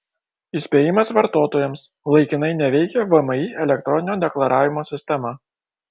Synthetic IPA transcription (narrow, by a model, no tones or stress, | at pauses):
ɪsʲpʲeːjɪmɐsʋɐɾt̪oːt̪oːjɛms | lˠɐɪkʲɪnɐɪnʲɛʋʲɛɪkʲɛʋɐmɐiɛlʲɛk̚t̪ɾɔnʲɪnʲoːd̪ʲɛklˠɐɾʔɑːʋʲɪmoːsʲɪsʲt̪ʲɛmɑ